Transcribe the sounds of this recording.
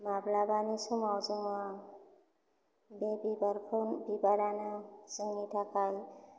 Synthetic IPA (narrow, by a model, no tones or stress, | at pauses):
mablabanisumawzɯŋa | bebibaɾkʰɔnbibaɾanaz̥ɯŋitʰakaj